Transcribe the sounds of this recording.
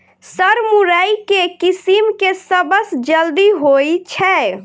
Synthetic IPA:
səɾmuɾəjkekisimkesəbəsd͡ʒəld̪iɦojt͡ʃʰɛ

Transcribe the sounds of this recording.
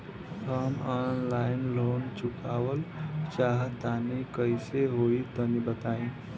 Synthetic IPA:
ɦəmaːnlaːɪnloːnt͡ʃʊkaːwəlt͡ʃaːɦt̪anikəɪseɦoːit̪ənibət̪aːĩ

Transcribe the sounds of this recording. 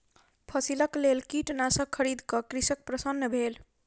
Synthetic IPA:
pʰəsiləklelkiʈnasəkʰːəɾid̪ʱkʌkɾisək̚pɾəsənːəbʱel

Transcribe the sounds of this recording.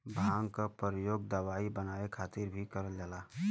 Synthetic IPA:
bʱãːŋkapəɾəjoːɡ̚d̪əʋaibənaekʰaːt̪ɪɾbʱikəɾəld͡ʒaːlaː

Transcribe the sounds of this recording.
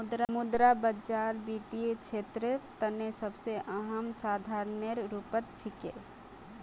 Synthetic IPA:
d̪ɾamʊd̪ɾabəd͡ʒaːɾbiːt̪iet͡ʃʰeːt̪ɾet̪ənesəbseʔɐɦəmsaːd̪ʱaːɾnəɾɾupət̪̚t͡ʃʰɪkḛ

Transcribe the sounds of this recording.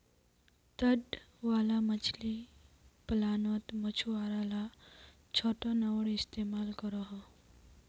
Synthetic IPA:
t̪əɖ | ʋaːlamət͡ʃʰliplaːnɔt̪mət͡ʃʰuaɾala | t͡ʃʰɔʈɔnawɽist̪emaːlkɔɾɔɦɔ

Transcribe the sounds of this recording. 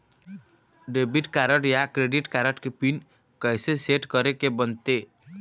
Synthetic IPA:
ɖebiʈkaɾəʈjakɾeɖiʈkaɾəʈkepin | kəjseseʈkəɾekebənt̪e

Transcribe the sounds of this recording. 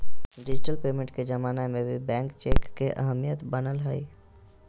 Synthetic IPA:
ɖɪd͡ʒɪʈəlpeːmẽɳʈked͡ʒəmaːnamẽbʱibɛ̃ːŋkt͡ʃeːkːeʔəɦəmijət̪bənəlɦəi

